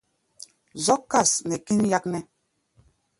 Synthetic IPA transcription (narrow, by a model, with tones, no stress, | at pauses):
zɔ˦kːa˦˨snɛ˨ki˦nja˦k̚nɛ˦